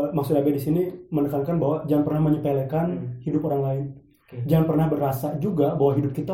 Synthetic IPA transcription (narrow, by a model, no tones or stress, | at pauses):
mak̚sudabadisinimənəkankanbaɦwad͡ʒaŋpərnahməɲəpelekanhidʊpoɾaŋlaɪn | d͡ʒanpərnahbərasad͡ʒuɡabawaɦidʊp̚kit̪a